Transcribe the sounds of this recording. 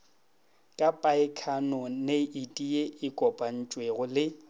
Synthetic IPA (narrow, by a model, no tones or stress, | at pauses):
kʼapʼaɪkʰanɔneitʼieʔɪkʼɔpʼan̩t͡ʃʼweɣʊlɪ